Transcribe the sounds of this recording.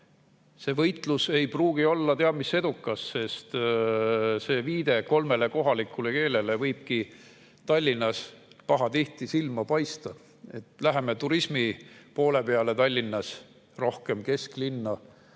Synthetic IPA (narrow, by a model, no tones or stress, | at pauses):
se̞ːvɤjt̪ˑluse̞jpruːɡ̥io̞lːɑt̪eɑd̥̪mise̞d̪ukːˑɑsːe̞st̪ | se̞ːviːd̪̥e̞ko̞lme̞le̞ko̞ɦɑlikːˑule̞ke̞ːle̞le̞vɤjb̥̚ki | t̪ɑlʲːinːɑspɑɦɑt̪iht̪isilmɑpɑjst̪ɑ | et̪læɦe̞met̪uɾismipo̞ːle̞pe̞ɑle̞t̪ɑlʲːinːɑs | ro̞hke̞mke̞sklinːɑ